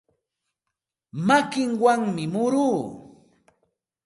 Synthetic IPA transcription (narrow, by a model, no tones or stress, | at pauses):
makɪŋwaŋmɪmʊɾuː